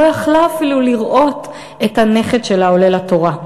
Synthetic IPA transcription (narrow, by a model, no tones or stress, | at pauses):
ojaχlaːfiluliʁʔo̞t | ethane̞χetʃe̞laole̞lhato̞ʁa